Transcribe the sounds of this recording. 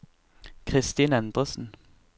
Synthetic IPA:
kʰʁɪst̪iːnɛnd̪ʁəsn̩

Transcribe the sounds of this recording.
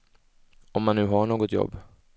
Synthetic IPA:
ɔmːanːʉ̟ːɦaɳoːɡɔt̪jɔ̰bː

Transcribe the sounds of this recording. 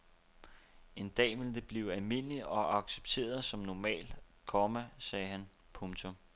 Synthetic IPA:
e̝nd̥ɛ̰ːʋe̝ld̥e̝b̥liːʊælme̝n̰əliɒ̽ɑ̈ɡ̥se̥b̥t͡sʰe̝̰ːɐðˠsɒ̽mnɒmɛ̰ːl | kʰɒmæsɛːɦæn | pʰɔ̽mt͡sʰom

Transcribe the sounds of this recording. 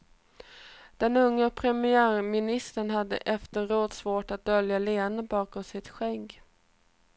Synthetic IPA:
d̪̥ɛnɵŋːəpʰɾɛmɪæːɾmɪnɪst̪əɳɦad̪ːə̰ʔɛft̪əɾoːd̪svoːʈat̪̚d̪œljaleːnəbɑːkɔmsɪt̪ɧɛŋɡ

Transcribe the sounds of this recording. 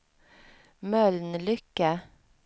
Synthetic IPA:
mœlnlʏkə

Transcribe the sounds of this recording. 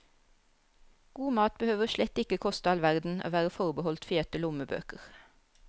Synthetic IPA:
ɡ̥uːmɑːt̪̚bəhøːʋəʃlɛt̪ːɪkəkʰɔst̪ɑːlʋæʁd̪n̩o̰ːʋæːʁəfɔʁbəhɔlt̪feːt̪əlʊməbø̰ːkəʁ

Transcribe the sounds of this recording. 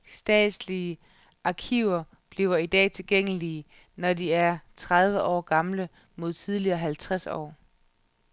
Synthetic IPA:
sd̥ɛ̰ːd̥sliə | ʔɑ̈kʰiːʊ̰ɐ | b̥liːʊɐid̥ɛ̰ːt͡sʰe̝lɡ̥eŋ̰əliːə | nɒdiæɐt͡sʰʁað̞ˠʋəʔɒ̰ːɡ̥ɑ̈mlə | mo̝ð̞̰ˠt͡sʰið̞ˠliɐːɦælt͡sʰʁasɒ̰ː

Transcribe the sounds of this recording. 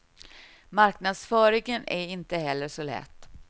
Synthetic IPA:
maɾknad̪sfœːɾɪɡənʔæɾɪnt̪əɦɛlːəʂɔlɛ̰t̪ː

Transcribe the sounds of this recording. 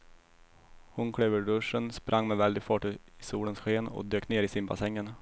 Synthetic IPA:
hʊnkʰɽøːvəɖɵʂənspɾʔaŋːmɛvɛld̪ɪɡfɑːʈːɪsuːlənsɧeːnɔ̰d̪øːkneːɾɪsɪnba̰sɛŋːən

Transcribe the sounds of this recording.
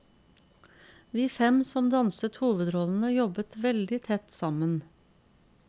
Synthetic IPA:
ʋiːfɛmsɔmd̪ɑnsət̪huːʋəd̪ɾɔln̩əjɔbət̪ʋɛld̪ɪt̪ʰɛt̪sɑmən

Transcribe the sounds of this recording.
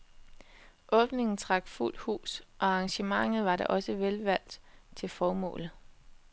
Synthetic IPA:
ʔɔ̽b̥ne̝ŋn̩t͡sʰʁɑ̈ɡ̥ful̰d̥hṵːsʔɒ̽ɑ̈ŋɕəmɑ̈ŋ̰ð̩ˠʋɑ̈ɾɑ̈ʔɒ̽səʋelʋæl̰d̥t͡sʰe̝lfɒːmɔ̰̽ːlð̩ˠ

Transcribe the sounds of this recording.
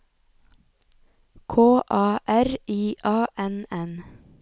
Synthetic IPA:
kʰoːʔɑːʔæɾʔiːʔɑːʔɛnɛn

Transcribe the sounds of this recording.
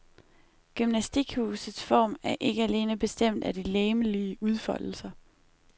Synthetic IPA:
ɡ̥ymnæsd̥iɡ̥hṵːsð̩ˠsfɒ̰ːmæɐʔe̝ɡ̥əæle̝ːnəb̥e̝sd̥em̰d̥æd̥ileːməliəuð̞ˠfɒ̽l̰l̩sɐ

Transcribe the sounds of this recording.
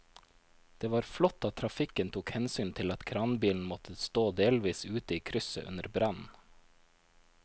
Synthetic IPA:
d̪̥eːʋɑːɾflɔt̪ːɑt̪ʰɾɑfɪkənt̪ʰuːkhɛnsyːnt̪ʰɪlɑt̪kʰɾɑːnbiːln̩mɔt̪ʰəst̪oːd̪eːlʋiːsʉːt̪əiːkʰɾʏsə̰ʔʉ̰nəɾbɾɑnn̩

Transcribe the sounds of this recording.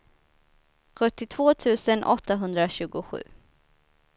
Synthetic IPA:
ɧɵt̪ːɪt̪ʰv̥oːt̪ʰʉ̟ːsənʔɔt̪ːaɦɵnd̪ɾaɕʉ̟ːɡʊɧʉ̟̰ː

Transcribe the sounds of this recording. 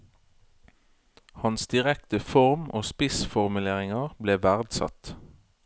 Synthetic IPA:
hɑnsd̪ɪʁɛkt̪əfɔʁmoːspɪsfɔʁmʉleːʁɪŋəʁbleːʋæʁd̪sɑ̰t̪

